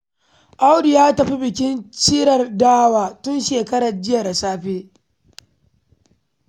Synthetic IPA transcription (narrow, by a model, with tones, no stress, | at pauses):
ʔa˦wdɪ˨jaː˦tɐ˨ɸi˦bɪ˨kʲɪ˦nt͡ʃiː˦ɾɐ˨rdaː˦waː˨tʊ˦nʃeː˨kɐ˦ɽɐ˨rd͡ʒɪ˦ja˨da˨saː˦ɸeː˦